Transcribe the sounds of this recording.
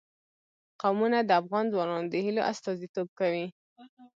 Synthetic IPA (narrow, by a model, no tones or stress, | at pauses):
qawmunad̪əafɣɑnzwɑnɑnod̪əhiloʔast̪ɑzit̪ob̚kawi